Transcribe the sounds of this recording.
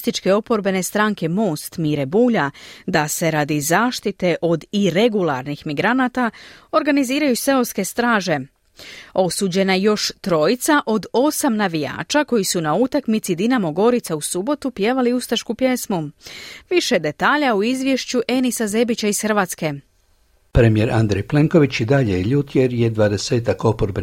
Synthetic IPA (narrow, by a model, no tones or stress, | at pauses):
st̪it͡ʃke̞o̞po̞ɾbe̞ne̞st̪ɾaːŋke̞mo̞ːst̪miːɾebuːʎad̪ase̞ɾad̪izaːʃt̪it̪e̞ʔo̞d̪iɾe̞ɡulˠa̰ɾnixmiɡɾanat̪ao̞ɾɡaniziːɾajuse̞oske̞st̪ɾaːʒe̞ | o̞suːd͡ʑe̞najo̞ʃt̪ɾo̞jit̪saʔo̞d̪o̞samnaʋija̰ːt͡ʃako̞jisunaut̪akmit̪sid̪inamo̞ɡo̞ɾit̪sausubo̞t̪upje̞ːʋaliust̪aʃkupje̞smuʋiʃe̞d̪e̞t̪aːʎauizʋje̞ʃt͡ɕuʔe̞nisaze̞bit͡ɕaisxr̩ʋaːt̪ske̞ | pɾemije̞ɾand̪ɾejple̞ŋko̞ʋit͡ɕid̪aʎeiʎut̪jeɾje̞d̪ʋad̪e̞se̞ːt̪ako̞poɾbe